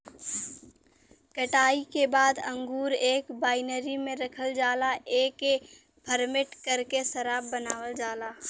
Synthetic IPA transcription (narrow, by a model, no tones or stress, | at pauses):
kəʈaːikebaːd̪ɐ̃ŋɡuːɾeːkbaːɪnəɾimẽɾɐkʰəld͡ʒaːlaʔeːke | pʰəɾmɪʈkɐɾkesɐɾaːbːɐnaːwəld͡ʒaːlaː